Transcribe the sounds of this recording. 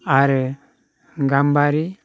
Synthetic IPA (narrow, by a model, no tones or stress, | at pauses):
aɾ | ɡambaɾi